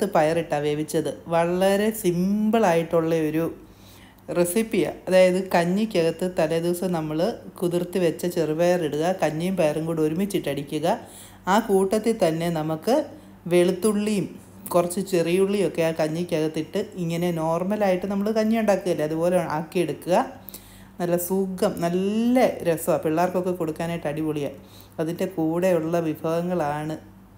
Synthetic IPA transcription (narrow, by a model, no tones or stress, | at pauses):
t̪ːɨpɐjɐriʈːɐʋebit͡ɕːɐðɨʋɐɭɐɾe̞simbɐɭaːjiʈːuɭːɐo̞ɾu | resipːijɐ̰ɐðaːjɐðɨkɐɲːɨkʲːɐɣɐt̪ːɨt̪ɐlɐd̪iʋɐsɐmnɐmːɐɭkuðurt̪ːiʋet͡ɕːɐt͡ɕeribɐjɐriɽuɣɐkɐɲːɐjumpɐjɐrɐŋɡuːɽoɾumit͡ɕːiʈːɐɽikʲːuɣɐ | aːkuːʈːɐt̪ːit̪ɐnːe̞nɐmukːɨ | ʋe̞ɭut̪ːuɭːijum | kurɐt͡ɕːɨt͡ɕerijuɭːijo̞kːe̞jaːkɐɲːɐkʲːɐɣɐt̪ːiʈːɨiŋːɐne̞no̞ːrmɐlaːjiʈːɨnɐmːɐɭkɐɲːɐjuɳɖaːkːuɣɐilːɐðubo̞ːleɳaːkːijeɽukːuɣɐ | nɐlːɐsuːɡɐmnɐlːɐɾesʋɐpiɭːaːrko̞kːekoɽukːaːnaːjiʈːɐɽiʋuɭijɐ | ɐðinde̞kuːɽe̞uɭːɐʋibʱaːɣɐŋːɐɭaːɳɨ